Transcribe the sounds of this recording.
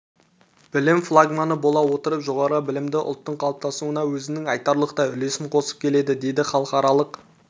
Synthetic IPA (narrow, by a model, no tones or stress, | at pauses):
b̥ɪlɪmflˠaɡmanəbo̞lˠɑwo̞t̪əɾəpʒo̞ʁɑɾəbɪlɪmd̪ɪʔʊ̰lˠt̪ːəɴqʰɑlˠp̚t̪ɑsuənɑwɵzɪnɪŋɑjt̪ɑɾlˠəqt̪ɑʏle̞sɪŋqʰo̞sə̥p̚kʲʰe̞le̞d̪ɪd̪e̞jd̪ɪχɑlˠəqχɑɾɑlˠəq